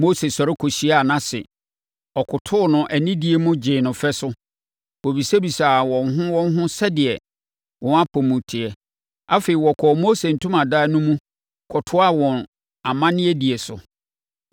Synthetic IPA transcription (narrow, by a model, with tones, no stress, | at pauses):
mo˦se˨sɔ˨ɾɪ˦kʰo˨ɕi˨˦a˨nã˦sɪ̰˨ | ɔ˨kʰʊ˨tʰʊ˦˨nʊ̃˨ʔæ˨nĩ˦di˨e˨mʊ̃˦d͡ʑɪ̃ː˨nʊ̃˨fɛ˦sʊ˦ | wɔ˨bi˨se˦bi˨saː˨wɔ̃˨n˦ɦʊ̃˦wɔ̃˦n˦ɦʊ̃˦sɛ˦dɪ˨ɛ˨ | wʔɔ̃˨na˦pʰɔ˨mũ˨tʰɪ˨ɛ˨ | a˦fe˨i˨wɔ˨kʰɔː˨moː˦se˨n̩˨tʰʊ̃˦mã˨daː˦nʊ̃˦mũ˦ | kʰɔ˨tʰʊ˦a˦wɔ̃˨n | a˨mã˦nɪ̃˦ɛ˦di˨e˨sʊ̰˨